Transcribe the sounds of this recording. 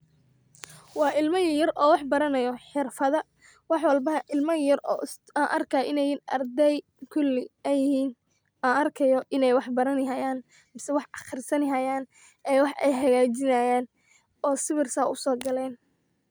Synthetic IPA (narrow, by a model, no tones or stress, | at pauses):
wɑːʔɪlmɐjjɐrɔːwɑħbɐɾɐnɐjɔħɪrfɐðɐ | wɑħwɐlbɐʔɪlmɐjɐrɔ̰ː | aːnʔɐrkʰɐʔɪnɛjnʔɐrd̪ɛj | kʰʊlɪɛjɪhiːn | aːnɐrkʰɐjɔʔɪnɛjwɑħbɐɾɐnɦɐjaːn | mɪsɛwɑħɑχɪrsɐnɦɐjaːn | ɛwɑħʔɛ̰jɦɐɣaːt͡ʃɪnɐjaːn | ɔːsɪβɪrsaːʊsɔːɡɐlɛːn